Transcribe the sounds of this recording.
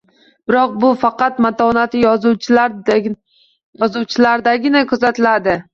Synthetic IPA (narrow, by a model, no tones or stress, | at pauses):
b̥ɪɾɒq̚bʊfɑqɑt̪mat̪ʰɒnat̪ʰɪjɒzu | jɒzuwt͡ʃʰɪlaɾd̪aɡʲɪnakʰɵzat̪ɪlad̪ɪ